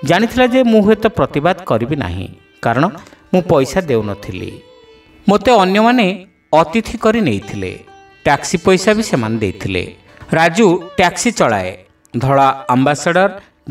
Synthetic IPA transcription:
d͡ʒaɽ̃it̪ʰilad͡ʒemũɦuet̪ɔpɾɔt̪ibad̪kɔɾibina̰ɦḭ̃ | kaɾɔɽ̃ɔ | mũpɔjsad̪ewnɔt̪ʰilḭ | mot̪eɔnjɔmane | ɔt̪it̪ʰikɔɾinejt̪ʰilḛ | ʈaksipɔjsabisemaned̪ejt̪ʰilḛ | ɾad͡ʒuʈaksit͡ʃɔɭa̰e | d̪ʱɔɭaambasaɖɔɾ

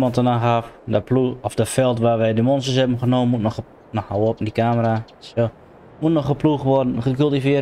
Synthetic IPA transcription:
mɔntənaxafdəpluɔfdəfɛlˠtʋaːʋɛjdəmɔnstəsɛbən̩xənoːənmutnɔx | nɔxhawəopndikaːməɾa | so | mutnɔxxəpluxʋɔdn̩xəkylˠtifjɪə

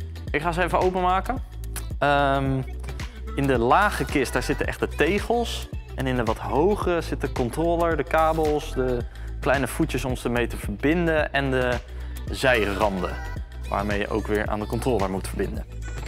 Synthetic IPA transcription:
ɪkχaːzejvəowpəmaːkənəm | ɪndəlaːχəkɪst̚d̥aːɹz̥ɪtənʔɛ̰χt̚dətejχəlˠsʔɛnɪndəʋɑtɦowχərəzɪtəkɔntroːləɹdəkaːbəlˠsdəklɛjnəv̥ucəsɔmsdəɹmejtəv̥əɹbɪndənɛndə | zɛjrɑndə̰ | ʋa̰ːɹmejə̰ʔo̰wkʋɪːɹʔa̰ːndəkɔntroːləɹmutfəɹbɪndən

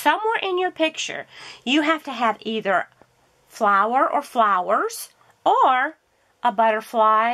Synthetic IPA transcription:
sʌ̃mwɛɹʔɪ̃njə˞pʰɪk̚t͡ʃə̰˞jɨɦæftɨːviðə˞ | flaʊə˞ʔə˞flaʊə˞z̥ | əɹ | ʔəbʌɾə˞flaɪ

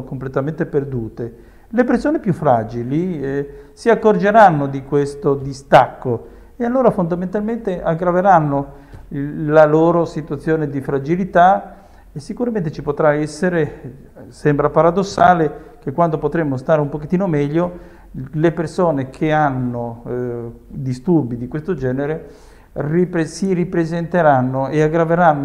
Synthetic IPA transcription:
komplet̪ament̪eperd̪uːt̪e | lepeɾsoːnepjufːɾaːd͡ʒili | siakːord͡ʒeɾanːod̪ikwest̪od̪ist̪akːo | ealːoːɾafond̪ament̪alment̪eʔaɡːɾaveɾanːo | laloːɾosit̪wat̪sːjoːned̪ifɾad͡ʒilit̪a | esːikuɾament̪̬et͡ʃipot̪ɾaɛsːeɾe | sɛmbɾapaɾad̪osːaːlekekːwand̪opot̪ɾemːost̪aːɾeumpoket̪ːiːnomɛʎːo | lepersoːnekʰeanːo | d̪ist̪urbid̪ikwest̪od͡ʒɛːneɾe | ripsiɾipɾezent̪eɾanːoeaɡɾaveɾanːo

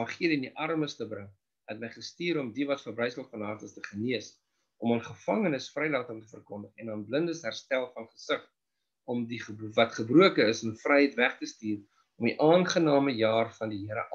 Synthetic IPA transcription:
ɑχiədəndiʔɐrməstəbrəŋ | ətməjχəstiːɾɔmdivɐtfərbrəjsəlˠfɐnɦɑːrtəstəχəniəs | ʔɔmɑːnχəfɐŋənəsfrɛjlɑːtəŋtəfərkɔndəχɛnɑːnbləndəsɦærstælˠfɐnχəsəχ | ɔmdiχəvɐtχəbruəkəəsəmfrɛjɦəjtvæχtəstiːr | ɔmiʔɑːnχənɑːməjɑːrfɐndiɦiəɾə̰ʔ

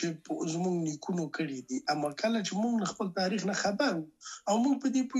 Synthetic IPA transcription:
t͡ʃepzmuɡnikʰunokəɽid̪iʔamɑkəlat͡ʃemuɡlaxpəlt̪ɑɾixnaxabanawmuɡ̚pəd̪epu

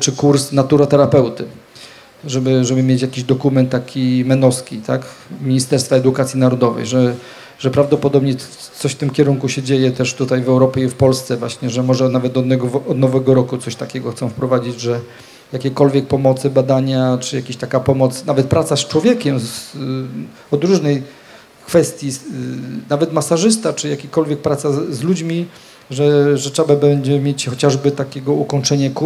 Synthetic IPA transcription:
t͡ʂɘkuɾsnat̪uɾɔt̪ɛɾapɛwt̪ɘ | ʐɛbɘʐɛbɘmʲjet͡ɕjakʲiʑd̪ɔkumɛnt̪ːakʲimɛnɔskʲit̪akmʲiɲist̪ɛɾst̪faɛd̪ukat̪sʲjinaɾɔd̪ɔvɛ̰jʐɛ | ʐɛpɾavd̪ɔpɔd̪ɔbɲɛ | t̪sɔɕft̪ɘmkʲɛɾuŋkuɕɛd͡ʑejɛt̪ɛʂt̪ut̪ajvɛwɾɔpʲjɛifpɔlst̪sɛvwaɕɲɛʐɛmɔʐɛnavɛt̪̚ːɔd̪nɛɡɔvɔd̪nɔvɛɡɔɾɔkut̪sɔɕt̪akʲɛɡɔxt̪sɔ̃w̃fpɾɔvad͡ʑid͡ʑʐɛ | jakʲekɔlvʲjɛk̚pɔmɔt̪sɘbad̪aɲat͡ʂɘjakʲiɕt̪akapɔmɔt̪snavɛt̪̚pɾat̪sast͡ʂwɔvʲjeɛkʲɛmz | ɔd̪ɾuʐnɛj | kfɛst̪ʲji | navɛt̪masaʐɘst̪at͡ʂɘjakʲikɔlvʲjɛk̚pɾat̪sazlud͡ʑmʲi | ʐɛʐɛtʂɛbabɛɲd͡ʑɛmʲjet͡ɕxɔt͡ɕaʐbɘt̪akʲɛɡɔukɔɲt͡ʂɛɲɛku

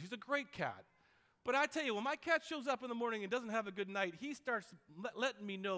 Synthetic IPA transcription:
izɨɡɹeɪt̚kʰæ̰t̚ | b̥ʌɾaɪtʰɛlˠjɨwə̃nmaɪkʰætʃoʊzʌpnðəmɔɹnɪ̃ŋɨ̃ndʌzn̩t̚ɦɨvɨɡʊdⁿnaɪt̚histɑɹtsɛʔlɛɾɪ̃ŋminoʊ

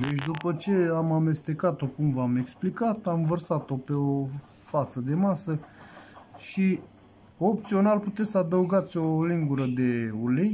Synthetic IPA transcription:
d̪e̞t͡ʃʲd̪upət͡ʃe̞amame̞st̪e̞kat̪o̞kumvame̞ksplikat̪amvərsat̪o̞pe̞o | fat̪səd̪e̞masə | ʃi | op̚t̪sio̞nalput̪esəad̪əuɡat̪sʲo̞liŋɡuɾəd̪e̞ulej

